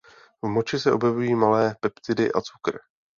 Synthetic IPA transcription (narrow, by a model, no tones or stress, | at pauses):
vmot͡ʃɪsɛʔo̞bjɛvujiːmalɛːpɛpt̪ɪdɪ̰ʔa̰t͡su̥kɾɪ̰